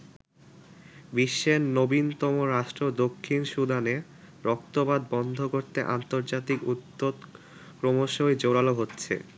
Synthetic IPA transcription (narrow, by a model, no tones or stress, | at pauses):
biʃːenːobint̪ɔmoɾaʃʈɾod̪okʰːinʃud̪ʱane | ɾɔk̚t̪obad̪bɔnd̪ʱokoɾt̪eʔa̰nt̪oɾd͡ʑat̪ikut̪ːod̪ | kɾomoʃoed͡ʑoɾaloɦotːɕʰḛ